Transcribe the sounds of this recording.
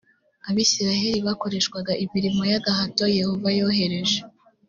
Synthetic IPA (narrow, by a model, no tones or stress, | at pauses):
aβiːsiɾaɦe̞ɾiβako̞ɾe̞ʃkwaɡaʔiviɾimojaɡahatoje̞hovajo̞ːhe̞ɾe̞ʒe